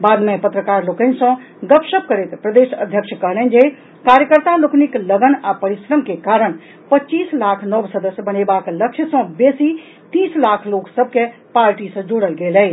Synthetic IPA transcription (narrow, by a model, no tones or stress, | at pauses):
bad̪mepət̪ɾəkaɾlokənsə̃ | ɡəpsəp̚kəɾɛt̪pɾəd̪esə̰d̪ʱjəkʃʰkəɦlɛnd͡ʒe | kaɾjəkəɾt̪aloknikləɡənapəɾisɾəmkekaɾəɽ̃ | pətːt͡ʃiːslakʰnəbsəd̪əsjəbənebakləkʃʰjəsə̃besi | t̪iːslakʰloksəb̚kepaɾʈisə̃d͡ʒoɽəlɡelɛ